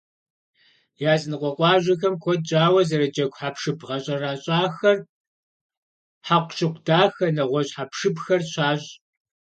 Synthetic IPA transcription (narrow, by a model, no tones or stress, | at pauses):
jaːzɨnɨqʷɔqʷʼɑːʒʷɐxɐmkʷʰɔd̚d͡ʒʼaːwɐzɐɾɐd͡ʒɐɡʷħapʰʂɨbʁɐɕʼɐraːɕʼaːxɐr | ħaqʷʃʼɪqʷdaːxɐnɐʁʷɔɕħapʰʂɨbxɐrɕaːʑ